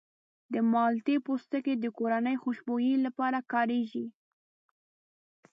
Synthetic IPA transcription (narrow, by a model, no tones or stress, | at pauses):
d̪əmɑlt̪epost̪əked̪əkoɾanəjxoʃbojilapɑɾakɑɾeʒi